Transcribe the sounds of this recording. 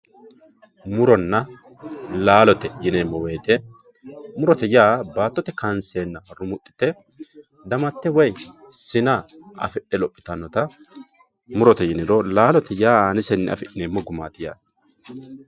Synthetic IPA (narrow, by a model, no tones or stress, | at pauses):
mʊɾɔnːɐ | laːlɔt̪ɛjɪnemːɔweːt̪ɛ | mʊɾɔt̪ɛjaːbaːt̪ːɔt̪ɛkɐnseːnːɐmɐrʊmʊt̪ʼːɪ̥t̪ːɛ | d̪ɐmɐt̪ːɛwɐj | sɪnaʔɐ̰fɛʔɛlɔpʼːɪ̥t̪ɐnːɔt̪ɐ | mʊɾɔt̪ɛjɪnɪɾɔlaːlɔt̪ɛjaːaːnɪsɛnːɛ̰ʔɐ̰fɛʔɪneːmːɔɡʊma̰ːt̪ɪja̰ːd̪